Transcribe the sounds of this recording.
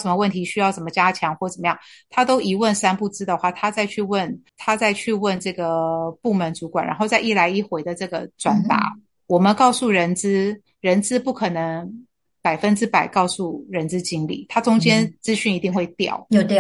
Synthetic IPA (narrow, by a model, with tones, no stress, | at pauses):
ʂə˦nmə˦wə˥˩nt̪ʰi˧˥ɕy˥jɑ˥˩ʈ͡ʂə˨˩mə˧˦t͡ɕja˥t͡ɕʰjɑ˧˥ŋxwɔ˥˩ʈ͡ʂə˨˩mə˦jɑ˥˩ŋt̪ʰa˥t̪o˥ʊʔi˧˥wə˥˩nsa˥npu˥˩t͡sɹ̩˥d̪ə˨xwa˥˩t̪ʰa˥t͡sa˥˧ɪt͡ɕʰy˥˧wə˥˩nt̪ʰa˥t͡sa˥˧ɪt͡ɕʰy˥˧wə˥˧nʈ͡ʂɤ˥˩ɡə˩pu˥˩mə˧˥nt͡su˧˥kwa˨˩nɻʔa˧˥nxo˥˧ʊt͡sa˥˧ɪʔi˥˩la˧˥ɪi˥˩xwe˧˥ɪd̪ə˧ʈ͡ʂɤ˥˩ɡə̰˩t͡swa˨˩˦nt̪a̰˧˥˦ | wɔ˨˩mə˦nkɑ˥˧ʊsu˥˩ɻə˧˥nt͡sɹ̩˥ | ɻə˧˥nt͡sɹ̩˥pu˥˩kʰɤ˨˩nɤ˧˦˥ŋ | pa˨˩ɪfə˥nʈ͡ʂɻ̩˥pa˨˩ɪkɑ˥˧ʊsu˥˩ɻə˧˥nt͡sɹ̩˥t͡ɕi˥ŋlḭ˨˩t̪ʰa˥t͡sʊ˥ŋt͡ɕjɛ˥nt͡sɹ̩˥ɕy˥˩ni˧t̪i˥˧ŋxwe˥˩ɪt̪jɑ̰˨˩ʊjo˨˧t̪